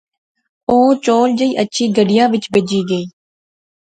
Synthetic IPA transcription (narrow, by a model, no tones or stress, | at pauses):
oːt͡ʃoːld͡ʒəiːʔətːʃʰiːɡəɖɪjãːʋɪt͡ʃbeːd͡ʒiːɡəiː